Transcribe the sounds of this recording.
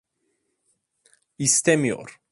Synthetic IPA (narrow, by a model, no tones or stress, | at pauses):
ist̪ɛmjɔ̰ɾ